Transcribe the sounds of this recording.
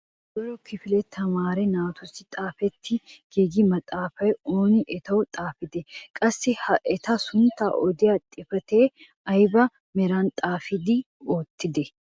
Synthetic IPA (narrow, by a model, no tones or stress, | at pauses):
dɔɾɔkʰɪfɪlɛt̪ʰɐmaːɾɛnaːt̪ʊsɪt̪ʼaːfɛt̪ʰːɪɡ̥eːɡɪmɐt̪ʼaːfɐjoːnɪʔɛt̪ɐwʊt̪ʼaːfɪd̪ɛkʼɐsːɪhɐʔɛt̪ɐsʊnt̪ːa̰ːʔɔd̪ɪjat̪ʼɪfɐt̪eː | ɐjbɐ | mɛɾaːnt̪ʼaːfɪd̪ɪ | oːt̪ʰːɪd̪ɛ